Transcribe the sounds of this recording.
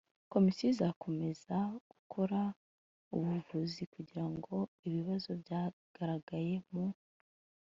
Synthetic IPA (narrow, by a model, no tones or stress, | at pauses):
ko̞misizakʰo̞me̞zaɡ̥ukʰo̞ɾa | uβuɾvuzikuɟiɾaŋɡo̞iβiβazo̞bjaː | ɡ̥aɾaɡaje̞mu